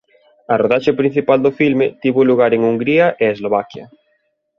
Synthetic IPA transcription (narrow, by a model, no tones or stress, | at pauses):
ɐroðaʃepɾin̟θipald̪ʊfilmɪt̪iβʊluɣaɾeŋuŋɡɾiɐʔɪezloβ̞akjɐ̰